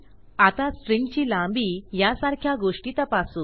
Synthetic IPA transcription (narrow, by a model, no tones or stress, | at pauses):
at̪asʈɾiŋɡt͡ɕiːlãmbijasaɾkʰjaɡoʂʈit̪apasu